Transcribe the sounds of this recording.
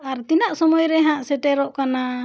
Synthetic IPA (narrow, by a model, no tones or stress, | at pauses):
aɾt̪inaʔsɔmɔjɾɛɦãʔsɛʈɛɾɔʔkana